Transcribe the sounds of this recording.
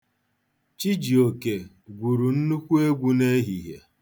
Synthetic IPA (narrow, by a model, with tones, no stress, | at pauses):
t͡ʃi˦d͡ʒi˨o˨ke˨ | ɡʷu˨ɾu˨n̩˦nu˦kʷu˦e˦ɡʷu˦ne˦ɦi˨ɦje˨